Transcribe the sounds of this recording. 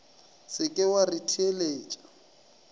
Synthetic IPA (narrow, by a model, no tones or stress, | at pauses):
sɪkʼɪwaritʰieleːt͡ʃʼḁ